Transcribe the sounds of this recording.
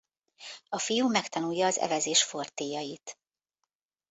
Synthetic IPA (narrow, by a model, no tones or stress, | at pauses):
ɒfijumɛkt̪ɒnujɒːzɛ̰vɛzeːʃfo̞rt̪eːjɒjit̪